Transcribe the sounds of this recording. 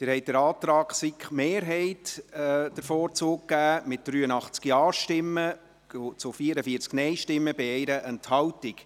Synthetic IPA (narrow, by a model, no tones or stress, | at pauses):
d̥̪ɪːɾhɛɪt̚d̥ɛɾɑːt̪ɾɑːksikχmeːɾɦɛɪtd̥əɾfɔoːɾt͡soːkkːæːmɪt̚d̥ɾyːənɑχt͡skiɑːʃtɪmːə | t͡sʊfiəɾəfiəɾt͡sknɛɪʃtɪmːəbɪɛɪɾəʔənthɑwtɪk